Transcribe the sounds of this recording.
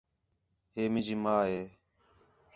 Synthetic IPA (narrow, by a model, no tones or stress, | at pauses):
ɦeːmɪ̃ːd͡ʒiːmaːɦeː